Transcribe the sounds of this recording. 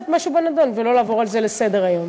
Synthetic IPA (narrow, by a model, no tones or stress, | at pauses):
tmaʃubenad̪onvelo̞laːvo̞ʁalzelesed̪eʁajo̞m